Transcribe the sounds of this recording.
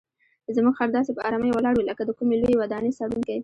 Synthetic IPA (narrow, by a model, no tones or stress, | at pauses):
əzmuɡxaɾd̪ɑsepəʔɑ̰ɾɑməjwəlɑɽwiləkad̪əkumelojewad̪ɑnesaɽuŋkaj